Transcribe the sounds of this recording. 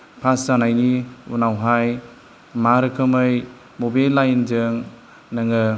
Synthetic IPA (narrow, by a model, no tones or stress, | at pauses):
pʰaszanajniṵnawɦaj | maɾɯkʰɯmɯj | mobalːajnzɯŋ | nɯŋɯ